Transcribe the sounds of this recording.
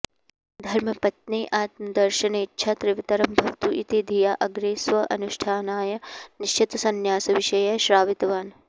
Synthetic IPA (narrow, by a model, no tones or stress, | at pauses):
d̪ʱɐɾmɐpɐt̪niːʔaːt̪mɐd̪ɐɾʃɐneːtːʃʰɐt̪ɾɪʋit̪ɐɾɐmbʱɐʋt̪uʔit̪id̪ʱijaʔɐɡɾeːsʋɐʔɐ̰nuʃʈʰaːnaːjɐniʃt͡ʃʰit̪ɐsɐnjaːsɐʋɪʃɐjɐʃɾaːʋit̪ɐʋaːn